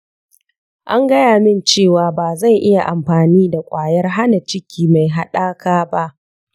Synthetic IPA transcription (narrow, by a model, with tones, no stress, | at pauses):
ʔa˦ŋɡɐ˦jaː˨mɪ˦˨nt͡ʃeː˦˨waː˨baː˨za˦˨jʔɪ˦ja˨ʔa˨mɸaː˨niː˦da˨kʷʼaː˨jɐ˦rɦa˦na˨t͡ʃɪ˦kʲʰiː˨ma˨jɦa˨ɗaː˦kaː˦ba˦ʔ